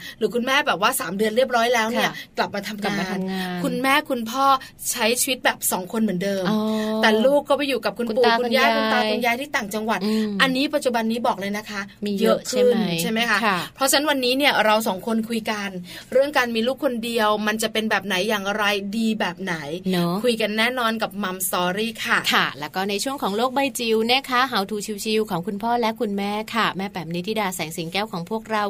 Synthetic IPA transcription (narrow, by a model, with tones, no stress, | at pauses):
ɾɯː˩˦kʰu˧nmɛː˥˩bɛː˨˩p̚waː˥˩saː˩˦mdɯ˧ənɾi˥˩əp̚ɾɔː˦˥jlɛː˦˥wni˥˩ɐkla˨˩p̚maː˧t̪ʰa˧mkaː˧nkʰu˧nmɛː˥˩kʰu˧npʰɔː˥˩ | t͡ɕʰa˦˥jt͡ɕʰiː˧wi˦˥t̪̚bɛː˨˩p̚sɔː˩˦ŋkʰo˧nmɯ˩˦əndɤː˧mɛː˨˩luː˥˩kːɔː˥˩pa˨˩juː˨˩ka˨˩p̚kʰu˧n˧puː˨˩˧kku˧njaː˧˥˩jkʰu˧nt̪aː˧kʰu˧njaː˧˩jt̪ʰiː˥˩t̪aː˨˩ŋt͡ɕa˧ŋwa˨˩t̪̚ʔa˧nːiː˦˥pa˨t̪̚t͡ɕu˨˩ba˧nːiː˦˥bɔː˨˩k̚lɤː˧jna˦˥kʰa˦˥ʔjɤ˦˥ʔkʰɯ˥˩nt͡ɕʰa˥˩jma˦˥jkʰa˦˥pʰɾɔ˦˥t͡ɕʰa˦˥nwa˧nːiː˦˥ni˥˩ɐɾa˧wsɔː˨˩˦ŋkʰo˧nkʰu˧jka˧n | ɾɯ˥˩əŋkaː˧nmiː˧luː˥˩k̚ʰːo˧ndi˧əwma˧nt͡ɕa˨˩pe˧nbɛː˨˩p̚na˩˦jːaː˨˩ŋʔa˧ɾa˧jdiː˧bɛː˨˩p̚na˩˦jnɔ˦kʰu˧jka˧nːɛː˥˩nɔː˧nka˨˩p̚ma˧mst̪ɔː˧ɾiː˥˩kʰa˥˩kʰa˥˩lɛ˦˥kɔː˥˩na˧jt͡ɕʰu˥˩əŋkʰɔː˩˦ŋloː˥˩k̚ba˧jt͡ɕi˧wnaː˦˥˩kʰa˦˥ɦa˩˦wt̪ʰuː˧˩t͡ɕʰi˧wt͡ɕʰi˧wkʰɔː˩˦ŋkʰu˧npʰɔː˥˩lɛ˦˥ʔkʰu˧nmɛː˦˥˩kʰa˥˩mɛː˥˩pɛː˨˩mni˧˦t̪ʰiː˥˩daː˧sɛː˩˦ŋsi˨˩˦ŋkɛː˦˥˩wkʰɔː˩˦ŋpʰu˥˩ək̚ɾa˧w